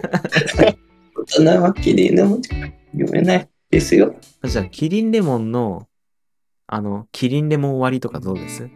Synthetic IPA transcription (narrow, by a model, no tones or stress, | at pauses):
ot̪anamakʲiɾʲḭ̃nɾemõnt͡ɕ | jo̰mʔḛnai | d̪̥esɨjo | ad͡ʑakʲʰiɾʲĩnɾe̞mõ̞nːo̞ | a̰no̞kʲʰiɾʲĩnɾe̞mõ̞ɰβaɾʲit̪o̞kad̪o̞ːd̪e̞sɨ